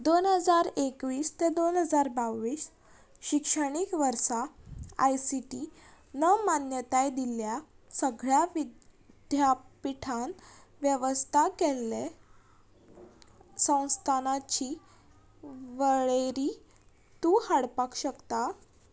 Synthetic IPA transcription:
d̪onɦəd͡zaɾekʋiːst̪ed̪onɦəd͡zaɾbaʋiːs | ɕikʂəɽ̃iːkʋəɾsaajsiʈi | nəmanjət̪ajd̪ilja | səɡɭjaʋi | d̪̥ʱjapiʈʰanʋjəʋəst̪ʰakelːe | sə̃w̃st̪ʰanat͡ɕiː | ʋəɭeɾiː | t̪uhaɽpakɕəkt̪a

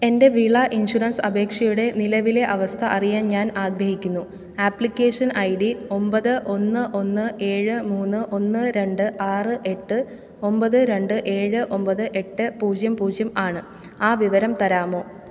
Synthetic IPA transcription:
e̞nde̞ʋiɭɐʔinɕurɐnsɐbe̞ːkʂɐjuɽe̞nilɐʋile̞ʔɐʋɐst̪ʰɐʔɐrijaːnɲaːnaːɡɾɐɦikʲːunːu | aːplikʲːeːʂɐnʔɐjɽio̞mbɐðɨʔo̞nːɨʔo̞nːɨʔe̞ːɻɨmuːnːɨʔo̞nːɨɾe̞ɳɖɨʔaːrɨʔe̞ʈːɨ | o̞mbɐðɨɾe̞ɳɖɨʔe̞ːɻɨʔo̞mbɐðɨʔe̞ʈːɨpuːd͡ʑjɐmpuːd͡ʑjɐmaːɳɨ | aːʋiʋɐɾɐmt̪ɐɾaːmo̞ː

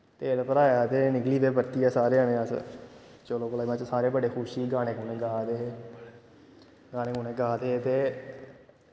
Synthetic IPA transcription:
t̪eːlpəɾaːjaːt̪eːnɪɡliːd̪eːbəɾt̪iːaːsaːɾeːənẽːəs | t͡ʃəloːkəlaːmãt͡ʃsaːɾeːbəɖeːkʰʊʃiːɡaːñeːkoːneːɡaːd̪eː | ɡaːñeːkonẽːɡaːd̪eːt̪eː

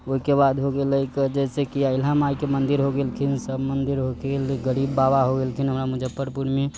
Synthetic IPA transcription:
oɦikebad̪ɦoɡeləjked͡ʒɛsekiaɪlɦamajkemənd̪iɾɦoɡelkʰinsəbmənd̪iɾɦoɡelɡəɾibːabaɦoɡelkʰinɦəmɾamud͡ʒəpːəɾpuɾmi

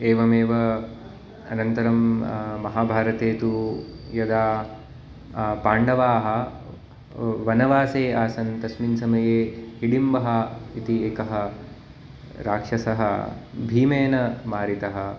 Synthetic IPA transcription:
eːʋɐmeːʋɐ | ɐ̰nɐnt̪ɐɾɐmːɐɦaːbʱaːɾɐt̪eːt̪u | jɐd̪aː | paːɳɖɐʋaːɦɐ̆ | ʋɐnɐʋaːseːaːsɐnt̪ɐsminsɐmɐjeːhiɽimbɐɦɐit̪ieːkɐɦɐ̆ | ɾaːkʂɐsɐɦɐ̰bʱiːmeːnɐmaːɾit̪ɐɦɐ̆

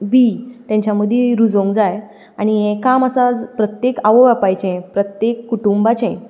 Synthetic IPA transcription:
bit̪jãɲt͡ɕaməd̪ʱːeɾud͡zõŋɡd͡zaj | aɽ̃iekaməsad͡zpɾət̪jekaʋoʋapajt͡ɕẽpɾət̪jekːuʈumbat͡ɕẽ

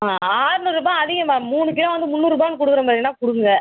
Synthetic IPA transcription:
aaːɾnɯɾɯbãːɐðɪɣɐmaːmuːɳɯkːɪɽɐ̃ʋɐnd̪ɯmʊnːuːɾɾɯbaːnɯkɔɽɯkːɯɾɐmaːðɾɪnːaːkʊɽɯkŋɡɐ

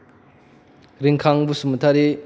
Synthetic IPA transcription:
ɾiŋkʰaŋbusumɐtʰaɾi

